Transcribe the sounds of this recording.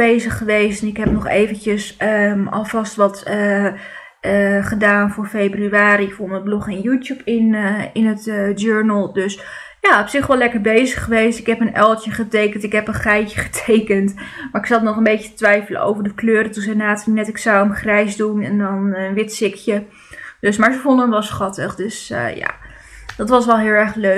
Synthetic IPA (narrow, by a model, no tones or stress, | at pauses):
bejzəχːəʋejstnɪkɦɛp̚nɔχḛːvəntəsəɔ̰lˠvɑstʋɑt | əχədaːnfʊːɹfebryaːɾiɪkfonətblɔχɛnjuːtjupʰɪnɪnətd͡ʒøɹnəlˠdøs | jaːɔpsɪχʋɔlɛkəɹbejzəχəʋejstɪkɦɛpənɛlˠtjəχətejkəntɪkɦɛpənχɛjtə̥χə̥tʰejkəntmaːɹɪksɑlnɔχənbejcətʋɛjfələ̰ʔo̰wvəɹdəkløːɾətunzɛjnaːtnɛtɪksawəmχrɛjsdunɛndɑnənʋɪtsɪkjə | d̥øsmaːɹzəfɔndəənʋɛlˠsχɑtəχdøsja̰ː | d̥ɑtʋɑs̬ʋɛlˠɦɪːlˠɛɹχlø